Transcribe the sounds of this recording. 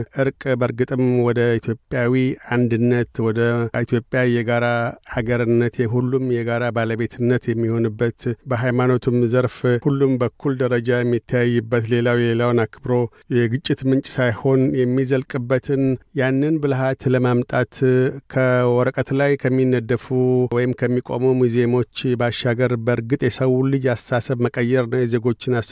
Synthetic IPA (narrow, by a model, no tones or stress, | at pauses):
ʔɨɾkʼbəɾɡɨt̪ʼɨmwɔd̪əit̪ʰjo̞pʼjawiand̪ɨnːət̪wɔd̪əit̪ʰjo̞pʼːjajɛɡaɾahaɡəɾɨnːət̪jɛɦulːumjɛɡaɾabaləβe̞t̪ʰɨnːət̪jɛmːiho̞nɨbːət̪bəɦajmano̞t̪ʰumzəɾfhulːumbəkʰːuld̪əɾəd͡ʒajɛmːit̪ʰːajjːɨbːət̪le̞lawjɛlelawnakʰɨbɾo̞ | jɛɡɨt͡ʃʼːɪt̪mɨnt͡ʃʼsajho̞njɛmːizəlkʼɨbːət̪ʰɨnjanːɨnbɨlɦat̪ləmamt̪ʼat̪kʰəwɔɾəkʼət̪lajkʰəmːinːəd̪əfuwɔjɪmkʰəmːikʼo̞̰mumuzemo̞t͡ʃːbaʃaɡəɾbəɾɡɨt̪ʼjɛsəwulɨd͡ʒassasəβməkʼəjːɛɾnəwjɛze̞ɡo̞t͡ʃːɪnas